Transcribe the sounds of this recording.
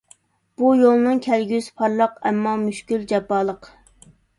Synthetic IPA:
b̥ujolˠnɨŋkʲʰɛlɡʲyzpʰɑɾlˠəqɛ̰mːɑmyʃkʲyld͡ʒɛpːɑːlˠəq

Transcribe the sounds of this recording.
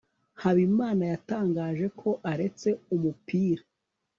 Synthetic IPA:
haβimaːnajataːŋɡaːʒe̞kʰo̞ʔaɾe̞t͡se̞umupiːɾa

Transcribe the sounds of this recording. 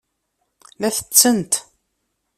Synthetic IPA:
læθə̥t͡sːənt̪

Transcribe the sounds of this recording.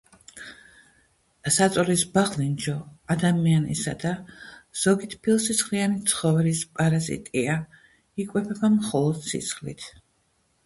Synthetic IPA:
sat̪sʼɔlisbaʁlind͡ʒɔad̪amianḭsa̰d̪az̥ɔɡit̪ʰpʰilˠsit̪sʰχlianit̪sʰχɔvɛlispʼaɾazḭt̪ʼia | ikʼwɛpʰɛbamχɔlˠɔd̪̥sḭt̪sχlḭt̪ʰ

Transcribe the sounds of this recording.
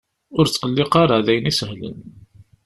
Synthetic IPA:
ʊɾt͡sːqəlːɪqaɾˤaʕðæjənisəhlə̰n

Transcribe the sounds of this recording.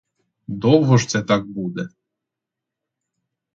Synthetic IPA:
d̪ɔwɦɔʒt̪sɛt̪ɑk̚bud̪ɛ

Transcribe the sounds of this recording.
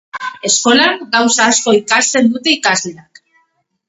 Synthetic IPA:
e̞sko̞laŋɡawsaːsko̞ikast̪e̞nd̪ut̪e̞ikazle̞ak

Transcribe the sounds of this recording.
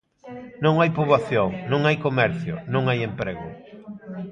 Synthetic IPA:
nõŋajpuβaθjoŋnõŋajkomɛɾθjʊ̰nõŋajempɾeɣʊ

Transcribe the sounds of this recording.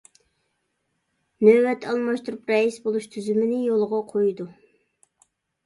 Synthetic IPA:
nøwɛt̪ʰːɑlˠmɑʃt̪uɾupɾɛisbolˠuʃt̪ʰyzymɪnɪjolˠʁɑqʰojd̪u

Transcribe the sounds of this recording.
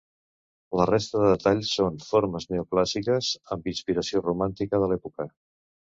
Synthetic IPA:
lərest̪əðəðət̪aʎsonfoɾməznɛuklasikəzəmbinspiɾəsiorumant̪ikəðəlɛpukə

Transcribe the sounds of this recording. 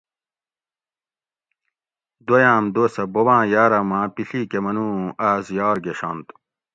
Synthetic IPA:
d̪ojãːmd̪oːsɐbowãːjaːɾɐmãːpiɬiːkemɐnũːaːzjɑːɾɡeɕa̰nt̪

